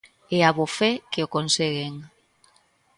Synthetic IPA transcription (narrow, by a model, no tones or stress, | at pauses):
eaβofekeokonseɣeŋ